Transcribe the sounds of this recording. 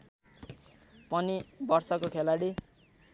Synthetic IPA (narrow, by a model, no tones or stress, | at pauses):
pʌnibʌrsʌkokʰelaɽi